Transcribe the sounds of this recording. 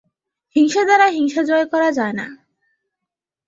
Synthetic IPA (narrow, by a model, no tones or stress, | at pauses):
hiŋʃad̪aɾaɦiŋʃad͡ʑɔekɔɾad͡ʑaena̰